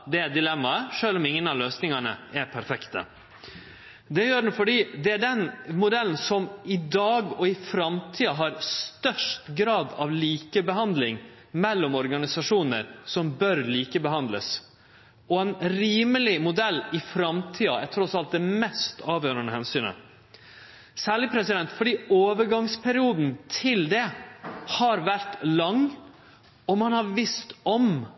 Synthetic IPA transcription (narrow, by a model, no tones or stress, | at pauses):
d̪ɛæd̪ɪlɛmːɑəʂøːlɔmɪŋːənɑʋløːsnɪŋɑɳəæɾpʰæɾfɛkt̪ə̰ | d̪ɛjøːɖn̩fɔɖiːd̪ɛæɖɛnmʊd̪ɛlːn̩sɔmɪd̪ɑːɡɔɪfɾɑmt̪ʰiːɑɦɑɾst̪œʂtɡɾɑːd̪ɑʋliːkəbəɦɑnd̪lɪŋ | mɛlːɔmɔɾɡɑnɪsɑʂuːnəɾsɔmbœɾliːkəbəɦɑnd̪ləs | ɔɛnɾiːməlɪmʊd̪ɛlːɪfɾɑmt̪ʰiːɑɛt̪ʰɾɔsɑlt̪̚d̪ɛmɛst̪ɑːʋjøːɾənəhɛnsyːnə̰ | sæːɭɪpʰɾɛsɪd̪ɛnt̪fɔɖiːoːʋəɾɡɑŋspʰæɾɪuːd̪n̩t̪ʰɪld̪ɛhɑɾʋæɾt̪lɑŋ | ɔmɑnhɑɾʋɪst̪ɔm